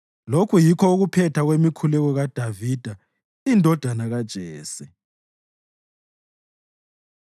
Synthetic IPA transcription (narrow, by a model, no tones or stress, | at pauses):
lokʰujikʰɔuɣupʰɛtʰaɣwemikʰulɛɣɔɣad̥ʱavid̥ʱa | indʱɔd̥ʱanaɣad̥ʒ̥ʱɛːsi